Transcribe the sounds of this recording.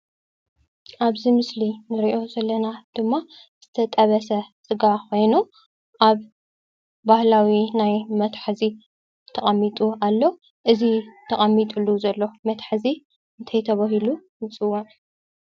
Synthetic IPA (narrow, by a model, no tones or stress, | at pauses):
ʔaβzimɨslinɨɾiʔo̞zɐlːɐnad̪̥ɨmːa | z̥ɨt̪ʰɐt̪ʼɐβɐsɐsʼɨɡakʰo̞jnu | ʔaβ | bahlawinajmɐt̪ħzi | t̪ʰɐχʼɐmːit̪ʼualːo | ʔɨzit̪ʰɐχʼɐmːit̪ʼulːuzɐlːomɐt̪ħzi | ɨnt̪ʰɐjt̪ʰɐβaɦilujɨt͡sʼɨwon